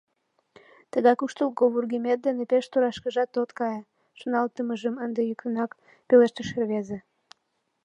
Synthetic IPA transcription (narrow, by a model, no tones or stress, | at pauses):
t̪əɣɑjkuʃt̪əlkoβurɣimet̪̚d̪enepeʃt̪uɾɑʃkəʒɑt̪ːot̪kɑje | ʃonɑlt̪əməʒəmənd̪ejykənɑk | peleʃt̪əʃerβeze